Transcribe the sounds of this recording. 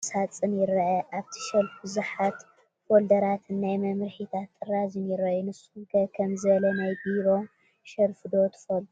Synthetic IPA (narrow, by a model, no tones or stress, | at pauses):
sat͡sʼɨnjɪɾɐʕɐʔaβt̪ʰi̥ʃɐlfbɨzuħat̪ | wold̪ɐɾat̪ʰnːajmɐmɾħit̪ʰat̪ːɨrazɨnjɪɾɐjunɨsːuɡɐkʰɐmzɨlɐnajbiɾo̞ | ʃɐɾfɨd̪o̞t̪ʰɨ̥fɐlu